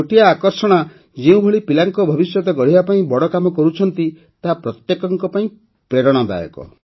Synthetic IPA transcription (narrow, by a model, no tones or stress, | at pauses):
oʈijaːkɔɾsɔɽ̃a | d͡ʒeũbʱoɭipilaŋkɔbʱɔbisjɔt̪ɔɡɔɽ̤ibapaĩbɔɽɔkamɔkɔɾut͡ʃʰɔnt̪i | t̪aɦapɾɔt̪jekɔŋkɔpaĩ | pɾeɾɔɽ̃ɔd̪a̰jɔ̰kɔ̰